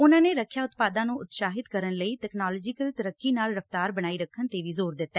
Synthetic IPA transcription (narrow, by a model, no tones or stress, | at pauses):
ʊnãːneːɾəkʰːjaːʊt̪paːd̪ãːnũːʔʊt̪ʃaːɦɪd̪kəɾənləiːt̪ɛːknaːlɔːd͡ʒɪkəlt̪əɾəkːiːnaːlɾəft̪aːɾbəɽ̃aːiːɾəkʰːənt̪eːʋiːzoːɾd̪ɪt̪ːɛː